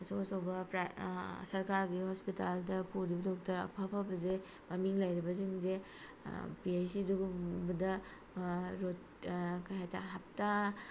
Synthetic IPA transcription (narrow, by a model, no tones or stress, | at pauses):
asokɐsowbɐpɾasɐɾkaɾɡihɔspitaldɐpʰuɾibɐdɔk̚tɐɾɐ̰pʰapʰabɐze | mɐmiŋlɐjɾibɐziŋze | piajsiduɡubɐdɐ | ɾot | kahajta̰ɦap̚ta